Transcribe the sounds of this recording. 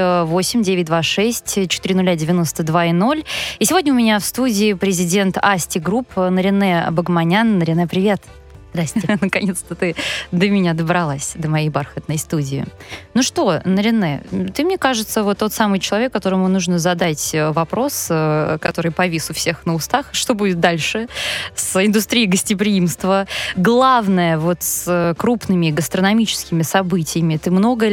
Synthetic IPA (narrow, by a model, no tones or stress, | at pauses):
vo̞sʲɪmʲdʲevʲɪt̚ʲd̪vaʂɛsʲtʲt͡ɕɪ̥t̪ɨɾʲɪnʊlʲːadʲɪvʲɪno̞st̪əd̪vaɪno̞lʲisʲɪvo̞dʲnəʊmʲɪnʲafst̪udʲɪːpɾʲɪzʲɪdʲe̞nt̪asʲtʲɪɡɾupnəɾʲɪnːɛbəɡmɐnʲanːəɾʲɪnːɛpɾʲɪvʲe̞t̪ | zd̪ɾast̪ʲnəkɐnʲe̞t̪st̪ət̪ɨd̪əmʲɪnʲad̪əbɾɐlˠasʲd̪əmɐjejbarxət̪nəjst̪udʲɪɪ̰nuʂt̪o̞nəɾʲɪnːɛ̰t̪ɨmnʲekaʐɨt̪səvo̞t̪ːo̞t̪samɨjt͡ɕɪlˠɐvʲe̞kːɐt̪o̞ɾəmʊnuʐnəzɐd̪atʲəvɐpɾo̞səkɐt̪o̞ɾɨjpɐvʲisʊfsʲe̞xnəʊst̪axʂt̪o̞budʲɪt̪̚d̪alʲʂɨsɪnd̪ʊst̪ɾʲijɪɡəsʲtʲɪpɾʲɪimst̪vəɡlˠavnəjəvo̞t̪səkɾupnɨmʲɪɡəst̪ɾənɐmʲit͡ɕɪ̥skʲɪmʲɪsɐbɨtʲɪjəmʲɪt̪ɨmno̞ɡə